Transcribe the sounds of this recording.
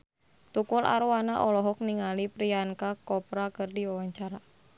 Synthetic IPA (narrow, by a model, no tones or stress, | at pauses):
t̪ukʊla̰ɾuwanaʔɔlɔɦɔk̚niŋalipɾiankakɔpɾakɨrdiwawaɲt͡ʃaɾa